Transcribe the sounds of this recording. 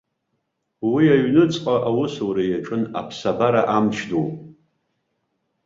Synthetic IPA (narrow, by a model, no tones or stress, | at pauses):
wiaɥnɨt͡sʼqʼaʔawʊsowɾajaʈ͡ʂʼɨna̰pʰsabaɾaʔamt͡ʃʰdowpʼ